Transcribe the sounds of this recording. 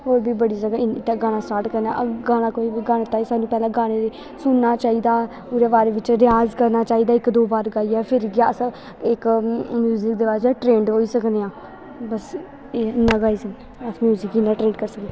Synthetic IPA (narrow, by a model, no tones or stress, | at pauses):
oːɾbiːbəɽiːzəɡaɪnɪt̪ːeɡaːɽ̃ãːsʈaːɾʈkəɾnã̰ʔəɡaːɽ̃ãːkoːiːiɡaːɽ̃ẽːt̪aːiːsaːnũːpɛːlãːɡaːɽ̃eɾe | sʊnːaːt͡ʃaːiːd̪aː | puːɾeːbaːɾeːʋɪt͡ʃɾɪjaːzkəɾnaːt͡ʃaːiːd̪aːɪkd̪oːbaːɾɡaːiɛːpʰɪɾɡɪjaːs | ɪkmjuːzɪkd̪eːbaːɾaʈɾẽːɳɖɦoːiːsəkd̪eãː | bəs | enãːɡaːiːsən | əsmjuːzɪkinãːʈɾẽːɳɖkəɾsəkd̪e